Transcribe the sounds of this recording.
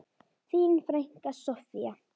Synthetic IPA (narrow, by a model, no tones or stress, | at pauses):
fiːnfɾajŋ̥kasɔfia